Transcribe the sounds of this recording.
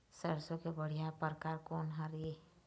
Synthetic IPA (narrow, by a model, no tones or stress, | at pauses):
səɾsokebəɽ̤ijapəɾkaːɾkoːnɦaɾie